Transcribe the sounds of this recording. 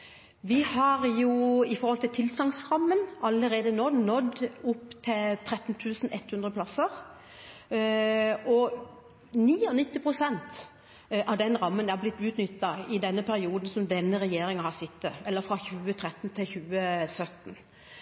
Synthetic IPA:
ʋɪhɑɾjuɪfɔɾhɔlt̪ɪlt̪ʰɪlsɑŋsɾɑmːənɑlːəɾeːd̪ənoːnɔd̪ːʊpːt̪ʰɪlt̪ʰɾɛt̪ːn̩t̪ʰʉːsn̩ʔɛt̪hʉnd̪ʁəpʰlɑsəʁ | ɔ | niːɔnɪt̪ːɪpʰʁʊsɛnt̪ | ʔɑʋd̪ɛnɾɑmːənæʁblɪt̪ːʉːt̪nʏt̪ːɑɪd̪ɛnːəpʰæɾɪuːd̪ən̩sɔmd̪ɛnːəɾɛjeːɾɪŋɑhɑsɪt̪ːəɛlːəɾfɾɑçʉːət̪ʰɾɛt̪ːn̩t̪ʰɪlçʉːəsœt̪ːn

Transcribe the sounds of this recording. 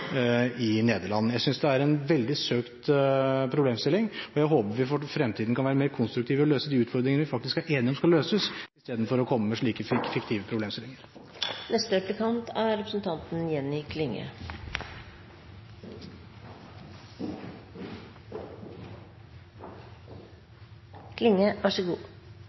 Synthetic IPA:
ɪneːd̪əɭɑnːəjæɪsʏnsd̪ɛæɾɛnʋɛld̪ɪsøːkt̪pʰɾʊbleːmst̪ɪlːɪŋɔjæɪɦoːpəʋɪfɔfɾɛmt̪ʰiːd̪n̩kʰɑnʋæːɾəmeːɾkʰʊnst̪ɾʉkt̪iːʋəɔløːsəd̪iːʉːt̪fɔɾd̪ɾɪŋəəʋɪfɑk̚t̪ɪskæɾʔeːnɪɔmskɑlːøːsəsɪst̪eːd̪n̩fɔɾɔkʰɔmːəmɛʂɭiːkəfɪfɪkt̪ʰiːʋəpʰɾʊbleːmst̪ɪlɪŋəɾ | nɛst̪əɾɛplɪkʰɑnt̪ʰæɾɾɛpɾəsnt̪ʰɑnt̪n̩jɛnːɪkʰlɪŋːə̰ | kʰlɪŋːəʋæʂɔɡuː

